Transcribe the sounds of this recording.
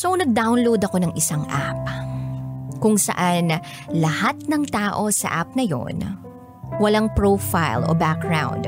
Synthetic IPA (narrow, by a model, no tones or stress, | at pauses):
sonɐɡ̚d̪awnlowd̪ɐko̞nɐŋʔɪsaŋʔa̰p̚ | kʊŋsɐ̰ʔan | lɐhat̪̚nɐŋt̪aːʔo̞sɐ̰ʔap̚nɐjo̞̰n | wɐlaŋpɹofajlo̰bak̚ɡɹa̰wnd̪